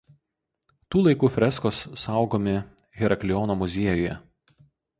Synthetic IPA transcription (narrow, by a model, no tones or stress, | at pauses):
t̪uːlˠɐɪkuːfʲɾʲɛskoːsːɑˑʊɡoːmʲɪ | ɣʲɛɾɐkʲlʲɪjɔːnoːmʊzʲiɛjʊjɛ̰